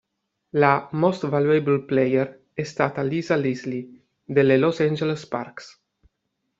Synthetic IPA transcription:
lamost̪valueblplejeɾ | ɛst̪at̪alizalizli | d̪elelosand͡ʒelesparks

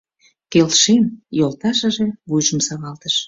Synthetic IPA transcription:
kelʃemjolt̪ɑʃə̆ʒeβujʒəmsɑɣɑlt̪əʃ

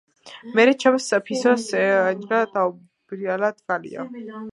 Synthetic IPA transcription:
mɛɾɛt͡ʃʰamsapʰisɔsɛad͡ʒɾad̪au | b̥ɾialad̪ɡalḭa̰

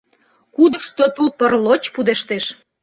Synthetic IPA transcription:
kud̪əʃt̪ot̪upərlot͡ɕpud̪eʃt̪eʃ

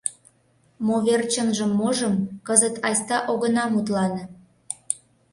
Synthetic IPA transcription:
moβert͡ɕənʒəmːoʒəmkəzət̪ɑjsʲt̪ɑʔoɣənɑmut̪lɑn

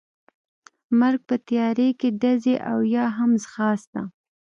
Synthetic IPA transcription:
maɾɡ̚pət̪jɑɾekeɖazeʔawjɑɦamzxɑsd̪a

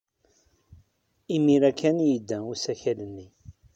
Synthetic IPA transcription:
imiɾækːænjəd̪ːæusæçælənːi

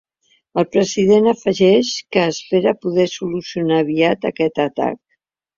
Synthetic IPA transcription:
əlˠpɾəziðenəfəʒɛʃkəːspeɾəpuðɛsulusiunaːβiat̪əkɛt̪ət̪a̰k̚

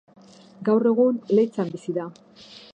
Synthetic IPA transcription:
ɡawre̞ɣunle̞t͡sambisiða

